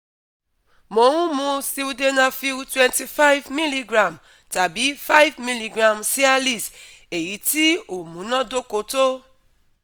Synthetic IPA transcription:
mo˨˦ŋʷũ˦mũ˦si˦u˦de˦nã˦fi˦wtwɛ̃˦nti˦fa˦jvmi˦li˦ɡɾã˨m | ta˨bi˨˦fa˦jvmi˦li˨ɡɾã˨msi˦a˦li˦˨s | e˨ji˨˦ti˦o˨mũ˨˦nɔ̃˦do˦ko˨to˦

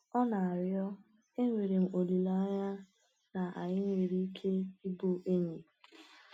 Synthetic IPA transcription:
ɔ˦na˨a˨ɾjɔ˦ | e˦ŋʷe˨ɾe˨m̩˨o˨li˨la˦ɲa˦ | na˨ʔa˨ɲɪ˦ŋʷe˨ɾi˦i˦kʰe˦i˦bo˦ʔe˦ɲe˨

